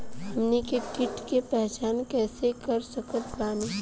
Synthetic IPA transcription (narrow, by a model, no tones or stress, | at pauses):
ɦɐmnikekɪʈkepɛɦt͡ʃaːnkɛːsekɐɾsəkət̪laːni